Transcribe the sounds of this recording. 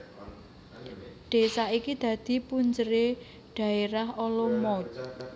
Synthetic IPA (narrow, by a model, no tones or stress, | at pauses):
ɖ̥e̤saikid̪̥ä̤d̪̥i̤puɲt͡ʃəɾe | ɖ̥ä̤eɾaɦɔlɔmɔt͡ʃ